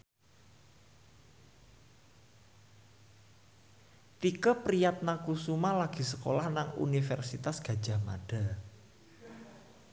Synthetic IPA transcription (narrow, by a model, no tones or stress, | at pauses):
t̪ikəpɾijat̪̚nakusumalaɡ̥i̤səko̰lahnaŋṵnifɛrsit̪asɡ̥a̤̥d͡ʒʒa̤ma̰ɖ̥a